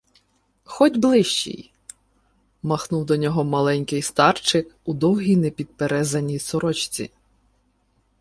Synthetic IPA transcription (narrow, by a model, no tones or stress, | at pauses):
xɔdʲblˠɪʃt͡ʃḭj | mɐxnuwd̪ɔnʲɔɦɔmɐlˠɛnʲkɪjst̪ɑrt͡ʃɪkud̪ɔwɦʲijnɛpʲid̪̚peɾɛzɐnʲijsɔɾɔt͡ʃt͡sʲḭ